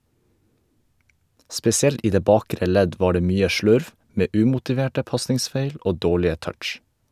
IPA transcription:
spɛsɪˈɛlt ˈiː ˈdeː ˈbɑːkɾə ˈlɛɟ ˈʋɑː ˈɖeː ˈmyːə ˈʃlʉɾʋ ˈmeː ˈʉːmʊtɪˌʋeːʈə ˈpɑsnɪŋˌsfeɪl ˈʔoː ˈdoːɭɪə ˈtœʈʃ

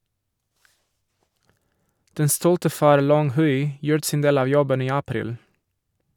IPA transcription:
ˈdɛn ˈstuːltə ˈfɑːɾ ˈlɔŋ ˈhʉɪ ˈjuːɾət ˈsiːn ˈdeːl ˈɑː ˈjɔbən ˈiː ɑˈpɾiːl

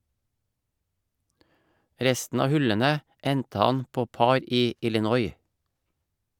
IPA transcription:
ˈɾɛstn̩ ˈɑː ˈhʉlənə ˈɛntə ˈɑn ˈpoː ˈpɑɾ ˈiː ɪlɪˈnɔʏ

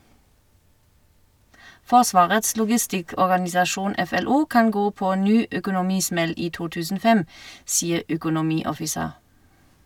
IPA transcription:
ˈfɔʁˌsʋɑːʁəts lʊɡɪˈstɪkɔʁɡɑnɪsɑˌʃuːn ɛfɛˈluː ˈkɑn ˈɡoː ˈpoː ˈnyː œkʊnʊˈmiːˌsmɛl ˈiː ˈtuː ˈtʉːsn̩ ˈoː ˈfɛm ˈsiːəʁ œkʊnʊˈmiːɔfɪˌseːʁ

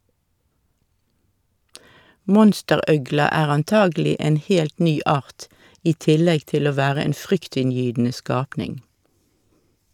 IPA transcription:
ˈmɔnstəˌʁœɡlɑ ˈæːʁ ɑnˈtɑːɡl̩ɪ ˈeːn ˈhɛlt ˈnyː ˈɑːʁt ˈiː ˈtɪlɛɡ ˈtɪl ˈoː ˈʋæːʁə ˈeːn ˈfʁʏktɪnˌjyːdn̩ə ˈskɑːpnɪŋ

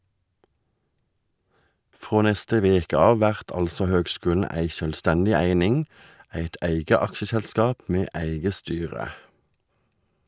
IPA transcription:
ˈfʁoː ˈnɛstə ˈʋeːkə ˈɑːʋ ˈʋæʁt ˈɑlsɔ ˈhøːɡˌskʉːln̩ ˈæɪ ʃœlˈstɛndɪ ˈæɪnɪŋ ˈæɪt ˈæɪɡə ˈɑkʃəsɛlˌskɑːp ˈmeː ˈæɪɡə ˈstyːʁə

